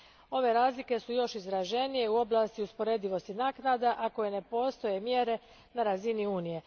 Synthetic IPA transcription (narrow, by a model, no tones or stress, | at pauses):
o̞ʋe̞ɾaːzlike̞sujo̞ʃizɾaʒe̞nije̞uo̞blˠaːst̪iuspo̞ɾe̞d̪iʋo̞st̪inaːknad̪aʔako̞je̞ne̞po̞ːst̪o̞je̞mjeɾe̞ | naɾaziniuːnije̞